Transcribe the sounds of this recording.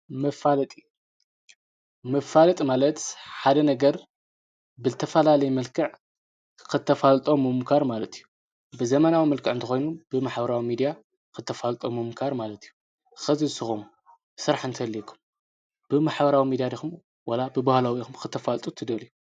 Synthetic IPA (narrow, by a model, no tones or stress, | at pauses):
mɐfalɐt̪ʼi | mɐfalɐt̪ʼmalɐt̪ħad̪ɐnɐɡɐɾ | bɨzɨt̪ʰɐfɐlalɐjmɐlkʰɨʕ | kʰɨt̪ʰːɐfalt̪ʼomːɨmkʰaɾmalɐt̪ʰijːu | bɨzɐmɐnawimɐlkʰɨʕɨnt̪ʰɨxo̞jnub̥ɨmaħbɐɾawimid̪ija | kʰɨt̪ʰːɐfalt̪ʼomɨmkʰaɾmalɐt̪ijːu | xɐzizɨsɨxom | sɨɾaħɨnt̪ʰɐlːikʰu̥m | b̥ɨmaħbɐɾawimid̪ijad̪ixum | wɐlabɨbahlawixumkʰɨt̪ʰːɐfalt̪ʼut̪ʰɨd̪ɐliju